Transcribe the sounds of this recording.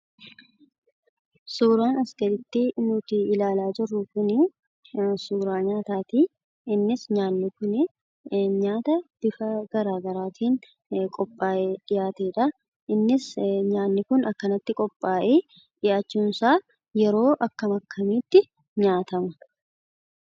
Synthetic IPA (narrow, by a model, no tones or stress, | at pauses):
suːɾaːnɐsɡ̪ɐɾɪt̪ːiʔnuːt̪iɪlaːlaːd͡ʒɪrːʊkʊnɪ | suːɾaːɲaːt̪aːt̪iː | ɪnːɪsɲaːnːɪkʊnɪ | ɲaːt̪ɐb̥ɪfɐɡ̥ɐɾaːɡɐɾaːt̪ʰiːn | kʼɔpʼːaːʔeːᶑɪjaːt̪eːᶑɐ | ɪnːɪsɲaːnːɪkʊnɐkːɐnɐt̪ːɪkʼɔpʼːaːʔeː | ᶑɪjaːt͡ʃːuːnsaː | jɛɾo̞ːʔɐkːɐmɐkʰːɐmiːt̪ːɪ | ɲaːt̪ɐmɐ